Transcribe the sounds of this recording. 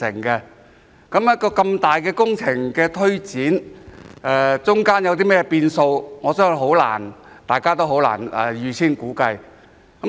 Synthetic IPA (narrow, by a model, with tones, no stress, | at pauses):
ɪ̰˨˩ŋkɛ˧ | kɐ˨˥mjɐ˥kɔː˧kɐ˧mt̪aː˨jkɛː˧kʊ˥ŋt͡sʰɪ˨˩ŋkɛː˧t̪ʰɵ˥ɥt͡siː˨˥n | ɛ˧t͡sʊ˥ŋkaː˥njɐ˨˧wt̪̬iː˥mɛː˥jɛ˧piː˧nso˧wŋɔː˨˧sœː˥ŋɦo˨˥wla̰ː˨˩n | t̪aː˨jkaː˥t̪o˥wɦo˨˥wla̰ː˨˩nɛ̰ː˧˩jyː˨˧t͡sʰiː˥nkuː˨˥kɐ˧j | kɐ˨˦